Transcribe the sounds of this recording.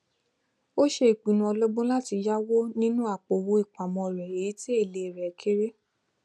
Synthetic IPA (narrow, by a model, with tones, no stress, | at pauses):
o˦ʃe˧˦i˨k͡pi˨nũ˧˦ɔ˧lɔ˦ɡ͡bõ˦la˦ti˧ja˦wo˦nĩ˦nũ˦a˦˨k͡po˨wo˧˦i˦˨k͡pa˨mɔ̃˧˨ɾɛ˨e˨i˨˦te˦e˦˨le˨˧˨ɾɛ˨kʰe˦ɾe˦